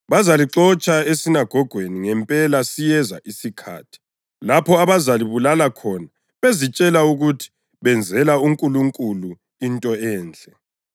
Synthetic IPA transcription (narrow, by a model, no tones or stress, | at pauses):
βazaliǁɔt͡ʃʼaesinaɡ̥ʱɔɡ̥ʱweniŋɛmpʼɛlasijɛza̰ʔisikʰa̰ːtʰi̥ | lapʰɔaβazaliβulalakʰɔna | βezit͡ʃʼɛlauɣutʰi̥ | βɛnd͡zʱɛlauŋkʼuluŋkʼulu | intʼɔɛːnd͡ɮʼɛ